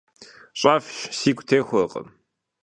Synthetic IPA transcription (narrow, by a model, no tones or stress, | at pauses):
ɕʼaːfɕsiːkʷtʰeːxʷɐqʼə̰m